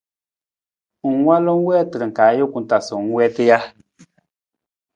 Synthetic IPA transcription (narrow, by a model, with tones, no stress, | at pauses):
ŋ̩˨˦wa˦lo˦ŋ̩˦wɛː˦tɨ˨ɾɨ˨ŋ̩˨kaː˨˦jo˦ku˨n̩˦ta˨su˨ŋ̩˦wɛ˦ti˦ja˦